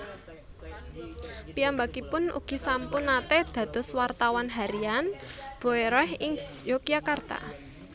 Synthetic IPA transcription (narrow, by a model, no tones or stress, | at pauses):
piambakipʊnṵɡ̥i̤sampʊnat̪ed̪̥ä̤d̪̥ɔ̤swart̪awanɦaɾianb̥o̤eɾɔhɪŋ | jokijakart̪a̰